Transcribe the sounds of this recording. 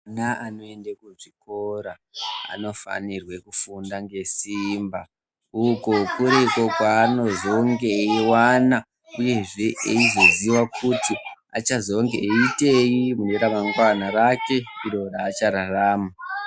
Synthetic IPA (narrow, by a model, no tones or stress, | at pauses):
naano̞e̞ndakuʐikoɾa | a̰no̞fa̰nirwekufundaŋɡe̞simba | uko̞kuɾeko̞kwaːno̞zoŋɡeiwana | uje̞ʐe̞ʔeizo̞ziwakʰuti | a̰t͡ʃazo̞ŋɡeːite̞jimuneɾamaŋɡwanaɾake̞iɾo̞raːt͡ʃaɾaraːma